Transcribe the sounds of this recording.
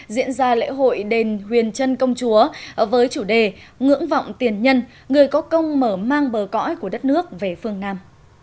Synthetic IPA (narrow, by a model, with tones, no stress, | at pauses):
zḭ˧˥ənzaː˧lḛ˧˥ɦo̰˧˨jɗe˨˩nɦwi˨˩ənt͡ɕə˧nkə˧wŋ͡mt͡ɕu˨˦əvəː˨˦jt͡ɕu˧˩ɗe˨˩ŋɨ̰˧˥əŋva̰˧˨wŋ͡mt̪i˨˩ənɲə˧n | ŋɨ˨˩əjkɔ˨˦kə˧wŋ͡mməː˧˩maː˧ŋɓəː˨˩kɔ̰˧˥jku˧˩əɗə˦˥t̚nɨ˦˥ək̚ve˨˩fɨ˧əŋnaː˧m